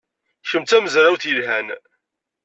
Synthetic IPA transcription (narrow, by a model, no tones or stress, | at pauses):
çəmt̪æməzɾˤawθjəlɦæn